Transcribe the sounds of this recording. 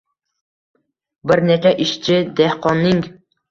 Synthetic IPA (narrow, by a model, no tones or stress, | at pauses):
bɪɾnet͡ʃʰaʔɪʃt͡ʃʰɪd̪ehqɒnːɪŋ